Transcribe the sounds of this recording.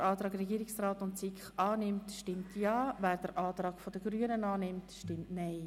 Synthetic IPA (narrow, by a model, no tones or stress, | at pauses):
ʔɑːt̪ɾɑːkɾɛɡiːɾɪksraːtʊntsɪkχɑːnɪmtʃtɪmtʰjɑːvæːɾd̥əɾʔɑːtɾɑːɡ̥fodəɡɾyːənənɑːnɪmtʃtɪmtnaɪ